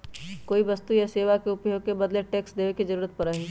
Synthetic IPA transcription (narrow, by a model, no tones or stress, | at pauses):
koːiʋəst̪ujaseːʋakeʊpjoːɡ̚kebɐd̪leʈeːksd̪eːʋekizɐɾuːɾət̪̚pɐɾəɦi